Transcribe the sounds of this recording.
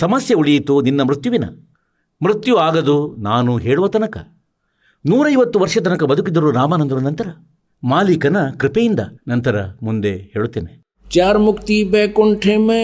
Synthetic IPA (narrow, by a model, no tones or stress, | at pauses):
sɐmɐsjɐuɭijit̪uninːɐmɾut̪juʋinɐ̰ | mɾit̪juaːɡɐd̪unaːnuɦeːɭuʋɐt̪ɐnɐkɐ̰ | nuːɾɐjʋɐt̪ːuʋɐɾʂɐt̪ɐnɐkɐbɐd̪ʱukid̪ɐɾuɾaːmanɐnd̪ɐɾunɐnt̪ɐɾɐ | maːlikɐnɐkɾipejind̪ɐ̰nɐnt̪ɐɾɐ̰mund̪eheːɭut̪ːeːne | t͡ʃaːɾmukt̪ibeːkoɳʈʰeːme